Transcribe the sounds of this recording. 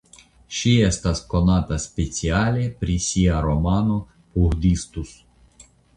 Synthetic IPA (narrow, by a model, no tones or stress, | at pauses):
ʃijɛst̪askɔnat̪ɐsʲpʲet͡sʲialʲipɾʲisʲiaɾɔmɑnu | puɣd̪ʲist̪us